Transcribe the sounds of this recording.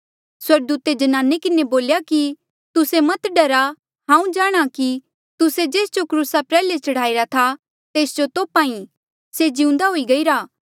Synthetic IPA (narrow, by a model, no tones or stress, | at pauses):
swɐɾɡ̚d̪uːt̪ed͡ʒɐnãːnekɪneboːljaki | t̪ʊsemɐt̪ɖɐɾa | ɦãːũd͡ʒaːɽ̃aki | t̪ʊsed͡ʒeːsd͡ʒokɾuːsapɾɛːlet͡ʃɐɽ̤aːiɾat̪ʰa | t̪eːsd͡ʒot̪oːpaːĩ | sed͡ʒɪũnd̪aɦoːiɡɐiːɾaː